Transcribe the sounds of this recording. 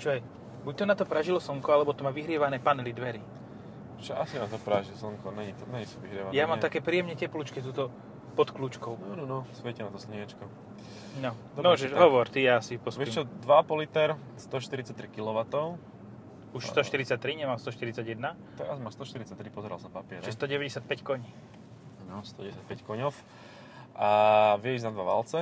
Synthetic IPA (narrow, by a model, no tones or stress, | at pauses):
t͡ʃɔjɛ | buc̚t̪ɔnat̪ɔpɾaʒilɔsɔŋkɔalɛbɔt̪ɔmaʋiɦɾɪɛʋanɛːpanɛlid̪ʋɛɾi | t͡ʃɛasinat̪ɔpɾaʒilsɔŋkɔɲɛɲit̪ɔɲɛɲit̪ɔʋiɦɾɪɛʋajamamt̪akɛːpɾiːjɛmɲɛcɛpluːt͡ʃkɛt̪uːt̪ɔ | pɔt̪kluːt͡ʃkɔʊnanɔnɔsʋɛcɛnat̪ɔsɲiɛt͡ʃkɔ | nɔmɔʒɛʃɦɔʋɔɾt̪ijaasipɔsit͡ʃɛd̪ʋaapɔlit̪ɛɾ | st̪ɔʃt̪iɾit͡sac̚t̪ːɾikilɔʋat̪ɔʊ | uʃsst̪ɔʃt̪iɾit͡sac̚t̪ɾiɲɛmalst̪ɔʃt̪iɾit͡saɟjɛd̪na | t̪ɛɾazmast̪ɔʃt̪iɾit͡sac̚t̪ɾipɔzɛɾalsnapapɪɛɾɛst̪ɔɟɛʋɛɟɛsjat̪̚pɛckɔɲi | nɔst̪ɔɛɛsjat̪̚pɛckɔɲɔf | ʔaʋjɛiznad̪ʋaʋa̰lt͡sɛ